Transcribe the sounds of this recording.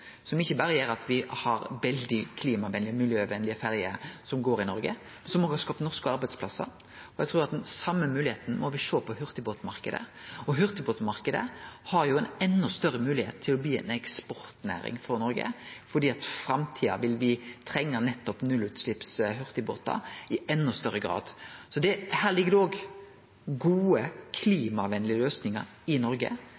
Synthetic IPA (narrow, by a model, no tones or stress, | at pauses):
sɔmɪçːəbɑɾəjeːɾɑt̪ʋɪhɑɾʋɛld̪ɪkʰliːmɑʋɛnlɪmɪlɪjøːʋɛnlɪəfæɾjəsɔmɡoːɾɪnɔɾɡə̰ | mɛnsɔmɔʋɪhɑskɑːpnɔʁskəɑɾbæɪd̪spʰlɑsːɑ̰ɾ | ɔjɛt̪ʰɾuːɾɑt̪d̪ɛnsɑmːəmʉːlɪeːt̪n̩mɔʋɪʃoːpʰɔhʉɾt̪ɪboːt̪mɑɾkəd̪ə̰ɔɦʉɾt̪ɪboːt̪mɑɾkəd̪ə̰hɑɾjʊɛnɛnːɔst̪œɾəmʉːlɪhḛːt̪ʰːɪlɔbliːɛ̰nɛkspɔɾt̪næ̰ːɾɪ̰ŋfɔɾnɔɾɡə̰fɔɖ̪iːɑt̪fɾɑmt̪ʰiːɑ̰ʋɪlʋɪt̪ʰɾɛŋːənɛt̪ːɔpnʉlʉt̪slɪpsɦʉɾt̪ɪbo̰ːt̪ɑ̰ɪɛnːɔst̪œɾːəɡɾɑ̰ːd̪sɔd̪ɛhæːʁlɪɡːəd̪ɛɔːɡ | ɡuːəkʰliːmɑʋɛnlɪəløːsnɪŋɑ̰ɾ | ɪnɔɾɡə̰